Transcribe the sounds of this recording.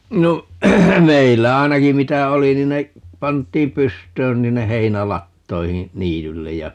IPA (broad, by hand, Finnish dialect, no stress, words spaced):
no meilːæ ɑinɑki mitæ oli nin ne pɑntˑiːm pystˑøːn ni hinːe heinælɑtːoihĩː niːtylːej jɑ